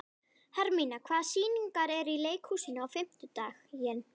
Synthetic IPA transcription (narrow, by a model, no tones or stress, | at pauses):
haɾmiːnakʰvaːðsiːniŋkaɾɛɾileːjkhuːsɪnʏawfɪm̥t̪ʏt̪aːxjɛn